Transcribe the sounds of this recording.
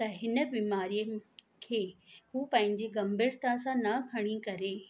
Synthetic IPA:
t̪ɐɦɪnə̆biːmaːɾijə | kʰeːɦuːpɐ̃ɦɪ̃ɲd͡ʑiɡɐmbɪɾt̪asãnɐkʰɐɽ̃ikɐɾeː

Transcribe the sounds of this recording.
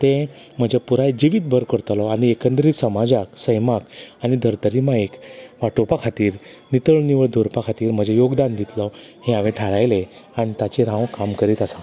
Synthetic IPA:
t̪ẽm̤əd͡ʑepuɾajd͡ʑiʋiːt̪̚bʱəɾkəɾt̪lɔañiekə̃nd̪ɾiːt̪səmad͡zaksəjmakañid̪ʱəɾt̪əɾimaekʋaʈopakʰat̪iːɾ | nit̪əɭniʋəɭd̪ʱoɾpakʰat̪iːɾm̤əd͡ʑejoɡd̪and̪it̪lɔ | hẽaʋet̪ʰaɾajlẽ | añit̪at͡ɕeɾãʋkamkəɾiːt̪asa

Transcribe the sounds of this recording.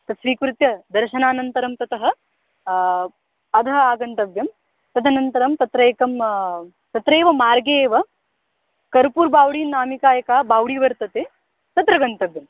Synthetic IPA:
t̪ɐsʋiːkɾut̪jɐd̪ɐɾʃɐnaːnɐnt̪ɐɾɐmt̪ɐt̪ɐɦɐ̆ | ɐd̪ʱɐaːɡɐnt̪ɐbjɐm | t̪ɐd̪ʱɐnɐnt̪ɐɾɐmt̪ɐt̪ɾeːkɐm | t̪ɐt̪ɾeːʋɐmaːɾɡeːʋɐ | kɐɾpuːɾbʱaːwɽiːnaːmikaːjɐkaːbaːwɽiːʋɐɾt̪ɐt̪eː | t̪ɐt̪ɾɐɡɐnt̪ɐbjɐm

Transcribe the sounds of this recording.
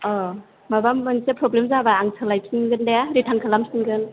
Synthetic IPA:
ɔ | mabamːɯnsepɾɔblemzabaːŋsʰɯlajp̚sinɡɯndeaɾitʰaŋkʰalamsiŋɡɯn

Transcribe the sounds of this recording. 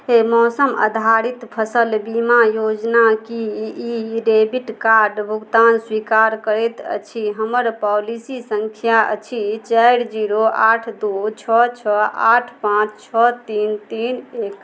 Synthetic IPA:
ɦemɔsəmə̰d̪ʱaɾit̪pʰəsəlbimajod͡ʒnakiiɾebiʈkaɾɖbʱuɡt̪answikaɾkəɾet̪ə̰t͡ʃʰiɦəməɾpɔlisisəŋkʰjaə̰t͡ʃʰit͡ʃəɪɾd͡ʒiɾoʔaʈʰd̪ut͡ʃʰɔt͡ʃʰɔa̰ʈʰpãt͡ʃʰt͡ʃʰɔt̪int̪inek

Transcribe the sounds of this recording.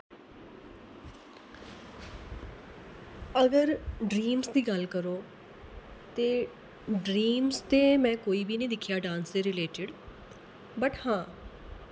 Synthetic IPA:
əɡəɾɖɾiːmsd̪iːɡəlkəɾoː | t̪eː | ɖɾiːmst̪eːmɛ̃ːkoːiːbiːnĩːd̪ɪkʰːjaːɖãːnseːɾɪleːʈɪɖ | bəʈhãː

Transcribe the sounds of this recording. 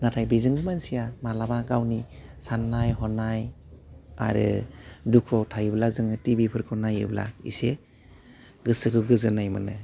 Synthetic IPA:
natʰajbizɯŋɡɯmansijamalabaɡawnisanːajɦɔnaj | a̰ɾɯ̰dukʰɔwtʰajɯblazɯŋɯtibipʰɯɾkʰɯnajɯ̰bla̰ḭse | ɡɯsɯkʰɯɡɯzɯnajmanɯ

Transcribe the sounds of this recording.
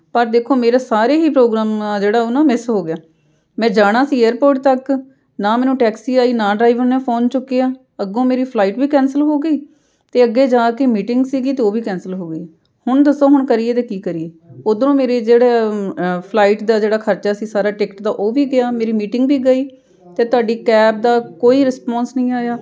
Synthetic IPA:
pəɾd̪eːkʰoːmeːɾaːsaːɾeːɦiːpɾoːɡɾaːmːd͡ʒeːɽaːʊnãːmɪsɦoːɡɪjaː | mɛ̃ːd͡ʒaːɽ̃aːsiːeəɾpoːɾʈ̚t̪ək | naːmɛ̃ːnũːʈɛːksiːaːiːnãːɖɾaːiʋəɾnẽːpʰoːnt͡ʃʊkːeːaː | əɡõːmeːɾiːpʰlaːiːʈbiːkɛ̃ːnsəlɦoːɡəiː | t̪eːəɡːeːd͡ʒãːkemiːʈɪŋɡsiːɡiːt̪eːoːʋiːkɛ̃ːnsəlɦoːɡəi | hʊɳd̪əsoːɦʊɳkəɾiːeːt̪eːkiːkəɾieː | oːd̪ənũːmeːɾeːd͡ʒeːɽeːpʰlaːiːʈd̪aːd͡ʒeːɽaːkʰəɾt͡ʃaːsiːsaːɾaːʈɪkʈd̪aːʔoːʋiːɡɪaːmeːɾiːmiːʈɪŋɡbiːɡəiː | t̪eːt̪ʊaːɖiːkɛːb̚d̪aːkoːiːɾɪspɔ̃ːnsnəĩːaːjaː

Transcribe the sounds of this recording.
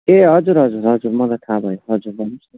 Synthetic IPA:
eɦʌd͡zuɾɦʌd͡zuɾɦʌd͡zuɾmʌlat̪ʰabʱʌjoɦʌd͡zuɾbʌnis

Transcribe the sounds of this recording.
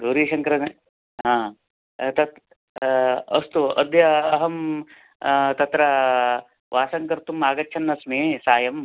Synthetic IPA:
d̪uːɾiːʃɐŋkɐɾɐne | ɦãː | t̪ɐt̪ | ɐst̪uɐ̰d̪jɐːɦɐm | t̪ɐt̪ɾɐ | ʋʔaːsɐŋkɐɾt̪umaːɡɐtːt͡ʃʰɐnːɐsmeːsaːjɐm

